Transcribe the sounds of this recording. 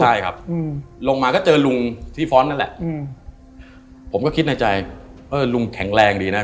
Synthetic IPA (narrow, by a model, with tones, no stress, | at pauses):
a˧˩jkʰa˦˥p̚ːlo˧ŋmaː˧kɔː˥˩t͡ɕɤː˧lu˧ŋt̪ʰiː˥˩fɔː˦˥nːa˦˥nlɛ˨˩ʔ | pʰo˩˦mkɔ˥˩i˦˥t̪̚na˧jt͡ɕa˧jʔɤː˧˩lu˧ŋkʰɛ˨˩˦ŋɾɛː˧ŋdiː˧na˦˥